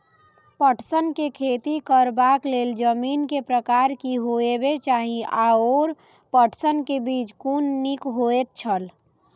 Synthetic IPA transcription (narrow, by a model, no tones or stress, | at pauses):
pəʈsənkekʰet̪ikəɾbakleld͡ʒəminkepɾəkaɾkiɦoebet͡ʃaɦiaoɾ | pəʈʰsənkebit͡ʃkunːikɦoet̪̚t͡ʃʰəl